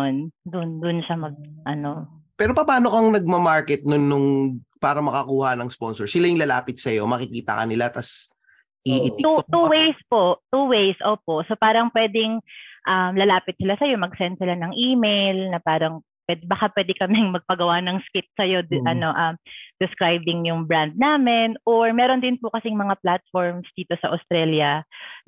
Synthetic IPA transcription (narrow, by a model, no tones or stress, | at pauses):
nd̪ʊnd̪ʊnʃamɐɡ̚ʔɐno̞pɛːɾo̞pɐpaːno̞kɐŋnɐɡ̚mɐmaɹkɛt̪̚nʊnːʊŋpaːɾɐmɐkɐkuːhɐnɐŋspo̞nsɔɹsɪlajʊŋlɐla̰ːpɪt̪̚sɐjo̞mɐkɪkiːt̪ɐ̰kɐ̰nɪlat̪ɐs | ʔiɪt̪ut̪uwejspo̞ʔt̪uwejsʔoːpo̞ʔso̞paːɾɐŋpwɛːd̪ɪŋʔɐmlɐlaːpɪt̪̚sɪlasɐjo̞mɐɡsɛnt̪̚sɪlanɐŋʔiːmejlnɐpaːɾɐŋ | pwɛd̪bɐkapwɛːd̪ɛkɐmɛŋmɐɡ̚pɐɡɐwanɐŋskɪt̪̚sɐjo̞ʔɐno̞ʔɐmd̪̥ɛskɾajbɪŋjʊŋbɹand̪̚naːmɛnʔoɹmɛːɾond̪ɪnpʊkɐsɪŋmɐŋaplat̪̚foɹmsd̪iːt̪o̞sɐʔɐst̪ɾɛljɐ